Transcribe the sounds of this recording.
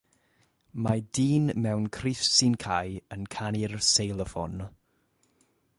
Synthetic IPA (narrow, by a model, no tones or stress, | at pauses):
madiːnmɛwnkʰrɪfsɪnkʰajənkʰanɪrsejlˠəfɔ̰n